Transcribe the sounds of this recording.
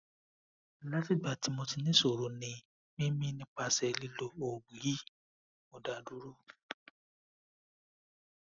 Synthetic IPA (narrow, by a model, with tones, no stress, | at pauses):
la˦ti˦ba˦˨ti˨˦mo˧ti˧nĩ˦so˨ɾo˨nĩ˧ | mĩ˦mĩ˦nĩ˦k͡pa˧sɛ˨˧li˦lo˧o˨ɡ͡bi˨˦i˦ | mo˨da˨du˦ɾo˦